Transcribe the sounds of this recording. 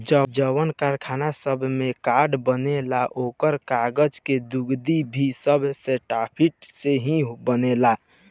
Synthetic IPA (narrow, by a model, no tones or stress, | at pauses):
d͡ʒəbd͡ʒəwənkaɾkʰanasəbʱmekaɖbənelaʔokəɾkaɡəd͡ʒked̪uɡd̪ibʱisəbʱseʈapʰiʈseɦĩbənela